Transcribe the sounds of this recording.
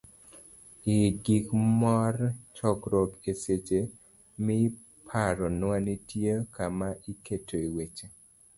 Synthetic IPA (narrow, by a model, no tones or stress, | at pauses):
ɪɡikmɔrt͡ʃɔkɾɔkeset͡ʃe | mɪ | pʰaɾɔnwanitjekamaʔiketʰoiwet͡ʃe